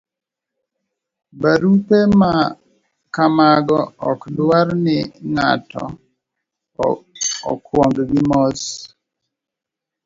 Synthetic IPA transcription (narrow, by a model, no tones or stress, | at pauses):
baɾupema | kamaɡɔɔkdwaɾnɪŋa̰tɔ̰ | ɔ̰kwɔŋɡɡɪmɔs